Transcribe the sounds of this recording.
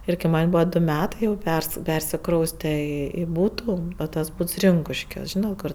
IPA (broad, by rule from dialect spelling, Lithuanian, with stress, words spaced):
ˈɪr kɐɪ ˈmɐnʲ ˈbuːʋɐ ˈdʊ ˈmʲæːtɐɪ jɛʊ pʲɛrs ˈpʲɛrʲsʲɪkrɐʊsʲtʲɛ ɪ ɪ ˈbuːtʊ tɐs ˈbuːts ˈrʲɪŋkʊʃʲkʲuɔs ˈʒʲiːnɐt ˈkʊr